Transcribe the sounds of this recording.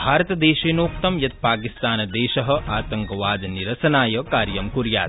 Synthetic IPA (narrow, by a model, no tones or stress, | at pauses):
bʱaːɾɐt̪ɐd̪eːʃeːnoːkt̪ɐmjɐt̪̚paːkist̪aːnɐd̪ɛːʃɐɦɐ̆ʔaːt̪ɐŋkɐʋaːd̪niɾɐsɐnaːjɐkaːɾjɐmkuɾja̰ːt̪